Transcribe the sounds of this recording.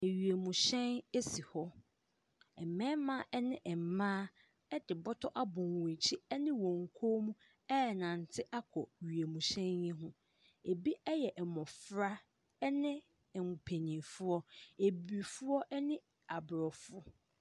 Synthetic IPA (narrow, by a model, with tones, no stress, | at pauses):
e˨ɥi˨e˨mũ˨ɕɛ̃˦ne˦si˨hɔ˦ | ɛ˨mɛ̃˦mã˦ʔɛ˦nɪ̃˦ʔɛ˨m˨mãː˦ | ɛ˦dɪ˨bɔ˦tʰɔ˦ʔa˦bʊ̃˨n˨wũ˨t͡ɕʰi˦ɛ˦nɪ̃˦wɔ̃˨ŋ˨kʰo˦mũ˦ | ɛ˦˨nã˨n˨tʰɪ˦ʔa˦kʰɔ˨ɥi˨e˨mũ˨ɕɛ̃˦njɪ̃˦ɦʊ̃˦ | e˨bi˦ɛ˦jɛ˨ʔɛ˨mɔ̃˨fɾa˦ | nɪ̃˦ | ɛ˨ŋʊ˨pʰe˨nĩ˨fʊ˦ɔ˦e˨bi˨fʊ˦ɔ˦ʔɛ˦nɪ̃˦ | a˨bɾɔ˨fʊ˦